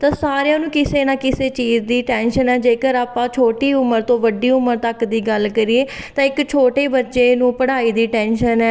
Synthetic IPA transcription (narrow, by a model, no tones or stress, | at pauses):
t̪ãːsaːɾejãːnũːkɪseːnãːkɪseːt͡ʃiːzd̪iːʈɛːnʃənɛːd͡ʒeːkəɾaːpãːt͡ʃʰoːʈiːʊməɾt̪õːʋəɖiːʊməɾt̪əkd̪iːɡəlkəɾieːt̪ãːɪkt͡ʃʰoːʈeːbətːʃeːnũːpəɽaːiːd̪iːʈɛːnʃənɛː